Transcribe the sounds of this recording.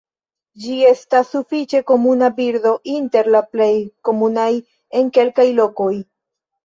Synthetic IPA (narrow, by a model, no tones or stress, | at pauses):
d͡ʒie̞stasːufit͡ʃe̞ko̞munabiɾdo̞ʔinte̞ɾlaple̞jko̞munaj | e̞ŋke̞lkajlo̞ko̞j